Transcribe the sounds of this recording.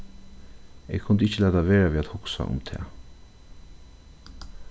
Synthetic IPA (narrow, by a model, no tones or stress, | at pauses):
ḛːɡkʰʊnd̪əɪçəlɛːt̪aʋeːɹaʋiːat̪hʊksa̰ʔʊ̰mt̪ʰɛ̰ː